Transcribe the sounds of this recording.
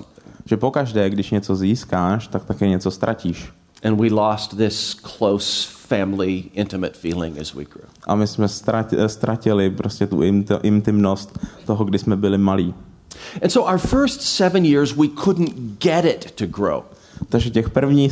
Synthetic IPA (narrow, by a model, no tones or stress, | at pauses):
ʒ̥ɛpokaʒdɛːɡdɪʃɲɛt͡so̞ziːskaːʃt̪ak̚t̪akɛːɲɛt͡sost̪ɾʔaciːʃ | ʔɨ̃nwilɔst̪̚ðɪskʰl̥oʊsfæ̃mliɪ̃ntɨmɨtfilˠɪ̰̃ŋɨ̰zwḭɡ̥ɹṵʔa̰mɪsmɛst̪ɾast̪ɾʔacɪlɪpɾʔoscɛt̪uʔɪnt̪ɪmnost̪ːoɦoɡdɪsmɛbɪlɪmaliː | ɨ̃nsoʊʔaə˞fɜ˞stsɛvɨ̃njɪɹzwikʰʊdⁿn̩ɡ̥ɛɾɪtʰɨɡɹo̰ʊ | t̪aɡʒɛcɛxpr̩vɲiː